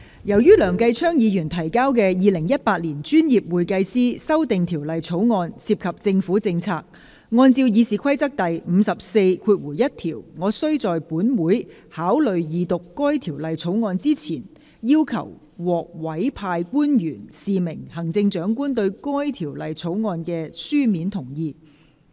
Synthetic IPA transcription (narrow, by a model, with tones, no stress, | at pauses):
jɐ˨˩wjyː˥lœː˨˩ŋkɐ˧jt͡ʃʰœː˥ŋjiː˨˧jyː˨˩nt̪ʰɐ˨˩jkaː˥wkɛː˧jiː˨˧lɪ˨˩ŋjɐ˥t̚paː˧t̚liː˨˩nt͡ʃyː˥njiː˨˩p̚wuː˨˩jkɐ˧jsiː˥sɐ˥wt̪ɪ˨ŋt̪ʰiː˨˩wlɐ˨jt͡sʰo˨˥wŋɔː˧nsiː˧p̚kʰɐ˨p̚t͡sɪ˧ŋfuː˨˥t͡sɪ˧ŋt͡sʰaː˧k̚ | ŋɔː˧nt͡siː˧wjiː˨˧siː˨˩kʰɐ˥jt͡sɐ˥k̚t̪ɐ˨jm̩ː˨˧sɐ˨p̚se˧jkʰuː˧t̚wuː˨˩jɐ˥t̚t̪ʰiː˨˩wŋɔː˨˧sɵ˥ɥt͡sɔː˨jpuː˨˥nwuː˨˥j | haː˨˥wlɵ˨ɥjiː˨˧t̪ʊ˨kːɔː˥jt̪ʰiː˨˩wlɐ˨jt͡sʰo˨˥wŋɔː˧nt͡siː˥t͡sʰiː˨˩n | jiː˥wkʰɐ̰˨˩w | wɔː˨k̚wɐ˨˥jpʰaː˧jkuː˥njyː˨˩nsiː˨mɪ˨˩ŋhɐ˨˩ŋt͡sɪ˧ŋt͡ʃœː˨˥ŋkuː˥nt̪ɵ˧ɥkɔː˥jt̪ʰiː˨˩wlɐ˨jt͡sʰo˨˥wŋɔː˧nkɛː˧syː˥miː˨˥nt̪ʰʊ˨˩ŋjiː˧